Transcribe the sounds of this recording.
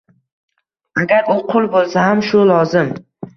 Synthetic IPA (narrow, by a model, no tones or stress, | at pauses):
aɡʲaɾʊqʰʊlˠbolˠsahamʃʊlˠɒzɪm